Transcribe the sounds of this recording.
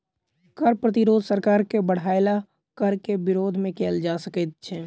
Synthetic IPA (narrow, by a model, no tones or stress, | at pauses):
kəɾpɾət̪ɪɾoːd̪ʱsəɾkaːɾkebəɽ̤aːɪla | kəɾkebɪɾoːd̪ʱmẽkeːld͡ʒaːsəkət̪̚t͡ʃʰɛː